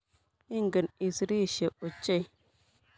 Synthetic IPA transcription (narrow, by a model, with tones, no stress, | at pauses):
i˦ŋɡə˨ni˨sɾi˦˨ʃe˨o˨t͡ʃe˦i˨